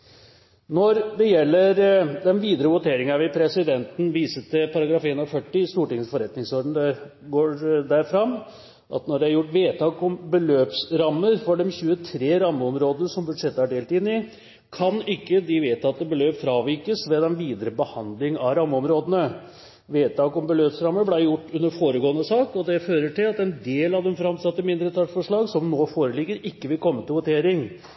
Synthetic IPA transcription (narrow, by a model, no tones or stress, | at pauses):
nɔɾd̪ɛjɛlːəɾd̪ɛnʋiːd̪əɾəʋʊt̪ʰeːɾɪŋəɑʋɪpʰɾɛsɪd̪ɛnt̪n̩ʋiːsət̪ɪpʰɑɾɑɡɾɑːfeːnɾfœʈːɪɪst̪uːʈɪŋsfɔɾɛt̪nɪŋsɔɾɖ̪ɳ̩d̪ɛ | ɡoːɾd̪æɾfɾɑmː | ʔɑ̰t̪nɔɖɛæɾjʊʈːʋeːt̪ʰɑːkɔmbəløːpsɾɑmːəɾfɔɖɔmçʉːət̪ʰɾeːɾɑmːəɔmɾoːd̪ənəsɔmbʉd̪ʂɛt̪ːəæɖeːlt̪ɪnːɪ | kʰɑnɪkːəd̪ɪʋeːt̪ʰɑt̪ːəbəløːpfɾɑːʋiɾkəsʋɛd̪ɛnʋiːd̪əɾəbəhɑnd̪lɪŋɑɾɑmːəɔmɾoːd̪ənə | ʋeːt̪ɑːkɔmbəløːpsɾɑmːəblæɪjʊʈːʉnːəɾfoːɾəɡoːənəsɑːkɔd̪ɛføːɾəʈɪlɑt̪ɛnd̪eːlɑʋd̪ɛnfɾɑmsɑt̪ːəmɪnd̪ɾət̪ʰɑʈfɔʂɭɑːɡsɔmnoːfoːɾəlɪɡːəɾɪkːəʋɪlkʰɔmːət̪ɪlʋʊt̪ʰeːɾɪŋ